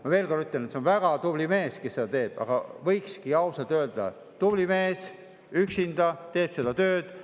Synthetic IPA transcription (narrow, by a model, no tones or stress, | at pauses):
mɑve̞ːlkonyt̪ˑːenet̪seonvæɡ̥ɑt̪ublime̞ːskesed̪ɑt̪e̞ːb̥ɑ̰ɡ̥ɑ̰vɤjkskiɑwsɑlt̪ˑøːld̪̥ɑ̰ | t̪ub̥lime̞ːs | yksind̪ɑt̪e̞ːb̥se̞d̪̥ɑt̪øːd̪̥